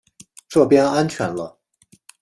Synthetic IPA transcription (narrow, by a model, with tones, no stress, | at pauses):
ʈ͡ʂɤ˥˩pjɛ˥na˥nt͡ɕʰɥɛ̰˧˥nlə˦